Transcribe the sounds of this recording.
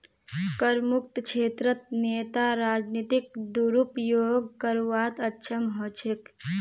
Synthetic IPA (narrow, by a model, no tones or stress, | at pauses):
kəɾmukt̪kʰet̪ɾət̪̚net̪aɾad͡ʒnit̪ik̚d̪uɾupjoɡkəɾuʋat̪ətːʃʰəmɦɔt͡ʃʰek